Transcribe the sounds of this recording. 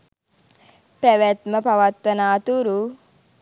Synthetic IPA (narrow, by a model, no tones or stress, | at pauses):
pæʋæt̪məpaʋat̪ʋənaːt̪uɾu